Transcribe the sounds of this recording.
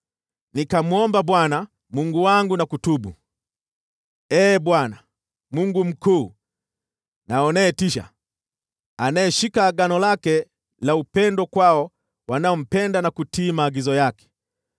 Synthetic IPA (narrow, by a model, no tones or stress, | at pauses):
nikamuɔmbabwana | muŋɡuwaŋɡunakutubu | ɛːbwana | muŋɡum̩kuː | naɔnɛːtiʃa̰ | anaɛʃikaːɡanɔlakɛ | laupɛndɔkwaɔ | wanaɔm̩pɛndanakutiːmaːɡizɔjakɛ̥